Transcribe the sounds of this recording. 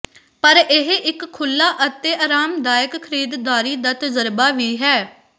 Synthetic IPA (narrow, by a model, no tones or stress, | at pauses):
pəɾɪɦʔɪkʰːʊlːaːʔət̪eːʔaːɾaːmd̪aːjəkkʰəɾiːd̪d̪aːɾiːd̪aːt̪əzəɾbaːʋiːɦɛː